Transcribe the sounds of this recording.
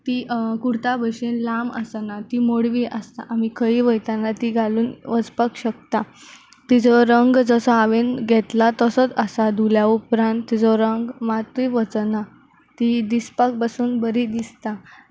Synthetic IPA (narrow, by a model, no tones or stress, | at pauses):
t̪ikuɾt̪abəɕenlamə̰sanat̪imoɽʋiʔəst̪a̰ʔamikʰəiʋəjt̪anat̪iɡʱaluːnʋəd͡zpakɕək̚t̪a | t̪id͡zɔɾəŋɡd͡zəsɔaʋenɡʱɛt̪lat̪əsət͡səsad̪ʱuljaupɾãnt̪ːid͡zɔɾəŋɡmat̪ʋiʋət͡sna | t̪id̪ispak̚basuːnbəɾid̪ist̪a